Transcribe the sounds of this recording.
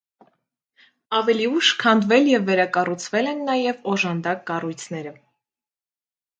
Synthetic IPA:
ɑvɛliuʃkʰɑnd̪vɛljɛvːɛɾɑkɑrut͡sʰvɛlɛnːɑjɛvɔʒɑnd̪ɑkːɑrujt͡sʰnɛɾə

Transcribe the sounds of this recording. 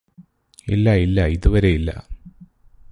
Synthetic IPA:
ilːɐilːɐiðuʋɐɾe̞jilːɐ̰

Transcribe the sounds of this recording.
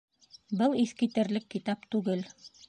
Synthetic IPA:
bɤlˠiθkit̪ɘ̆ɾlɘkːit̪ɑpt̪ʉɡɘl

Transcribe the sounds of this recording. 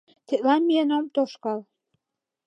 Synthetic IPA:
t̪ʰeʔ̪lɑnmienomt̪oʃkɑl

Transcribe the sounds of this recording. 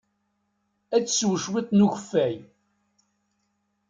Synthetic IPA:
æt͡sːswʃwɪt̪ˤnuçəfːæj

